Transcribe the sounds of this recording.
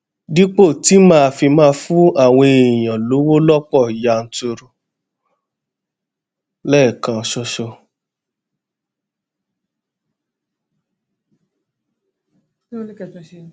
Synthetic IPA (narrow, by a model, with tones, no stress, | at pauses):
di˦k͡po˦˨ti˨˦mãː˦˧fi˧mãː˦˧fũ˦a˦˨w̃ɔ̃˧e˨j̃ã˨lo˨˦wo˦lɔ˦k͡pɔ˦˨i˨ja˨˧n̩˦to˧ɾo˧ | lɛ˦˨kã˨˧ʃɔ˧ʃɔ˧